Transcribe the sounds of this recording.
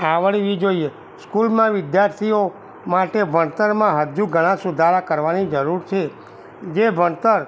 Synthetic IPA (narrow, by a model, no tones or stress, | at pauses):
aʋəɭiʋid͡ʒoie | skulmãʋɪd̪jaɾt̪ʰio | maʈebʱəɳt̪əɾmãɦəd͡ʒuɡʱəɽ̃ãsʊd̪ʱaɾakəɾʋanid͡ʒəɾuɾt͡ʃʰe | d͡ʒebʱəɳt̪əɾ